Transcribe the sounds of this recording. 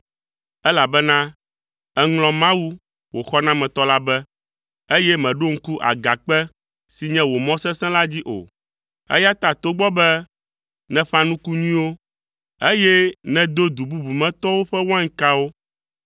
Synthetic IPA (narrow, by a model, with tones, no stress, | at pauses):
ɛ˦la˨bɛ˦nã˦ | ɛ˦ŋlɔ̃˨mã˦wu˦ | wo˨xɔ˦nã˦mɛ̃˨t̪ɔ˦la˦bɛ˦ | e˦jɛ˦mɛ̃˨ɖo˦ŋ̩˦ku˦ʔa̰˨ɡa˨k͡pɛ˦ | si˨ɲɛ̃˦wo˨mɔ̃˦sɛ̃˦sɛ̃˦la˦d͡ʑi˦ʔo̰˨ | ɛ̰˦ja˦t̪a˨t̪o˦ɡ͡bɔ˦bɛ˦ | nɛ̃˨ɸã˦nũ˦ku˦ɲũ˦wo˦ | e˦jɛ˦nɛ̃˨d̪o˦d̪u˨bu˦bu˨mɛ̃˦t̪ɔ˦wo˦ɸɛ˦wã˦ŋ̩˦ka˦wo˦